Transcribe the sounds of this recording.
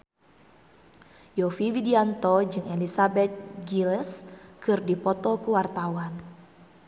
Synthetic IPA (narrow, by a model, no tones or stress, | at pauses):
jɔfiwidiant̪ɔd͡ʒɨŋelisabɛt̪̚ɡilɛskɨrdipɔt̪ɔkuwart̪awan